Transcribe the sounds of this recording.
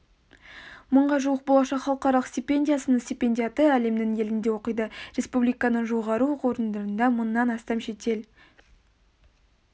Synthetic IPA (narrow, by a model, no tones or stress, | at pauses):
məɴʁɑʒuwəq̚bo̞lˠɑʃɑqχɑlˠəqɑɾɑlˠəqst̪ʲipʲe̞nʲdʲijasənəɴsʲt̪ʲipʲe̞nʲdʲijɑt̪əæle̞md̪ɪŋe̞lɪnd̪e̞wo̞qəjd̪əɾʲe̞spublijkɑnəʒo̞ʁɑɾuqoɾənd̪əɾənd̪ɑmənːɑnɑst̪ɑmʃe̞t̪e̞l